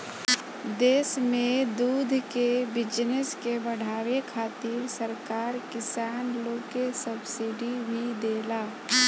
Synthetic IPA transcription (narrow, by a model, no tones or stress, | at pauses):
d̪eːsmẽd̪uːd̪ʱkebɪd͡ʒnɪskebəɽ̤aːwekʰaːt̪ɪɾsəɾkaːɾkɪsaːnloːkesəbsɪɖibʱid̪eːlaː